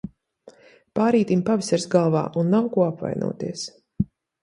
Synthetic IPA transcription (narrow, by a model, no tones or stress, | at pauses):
paːɾiːt̪impavisaɾsɡalˠva̰ːʔunːawkuɔapva̰jnṵɔːt̪ḭɛəs